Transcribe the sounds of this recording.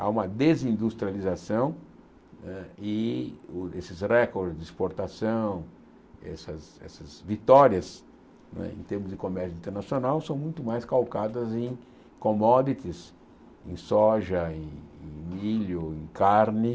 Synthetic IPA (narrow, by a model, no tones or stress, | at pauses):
a̰ũmɐd̪ezĩnd̪ust̪ɾializasɐ̃w̃ | nɛɪʊesɪsrɛkoɾdzd̪ɪispoɾt̪asɐ̃w̃ | ɛ̰sɐsɛ̰sɐzvit̪ɔɾiɐs | nɛ̰ḛ̃t̪eɾmʊzd̪ɪkomɛɾsjuĩt̪eɾnasionawsɐ̃w̃mũj̃t̪ʊmajskawkad̪ɐzẽj̃ | komɔd̪it̪ɪs | ẽj̃sɔʒɐẽẽj̃miʎʊẽj̃kaɾnɪ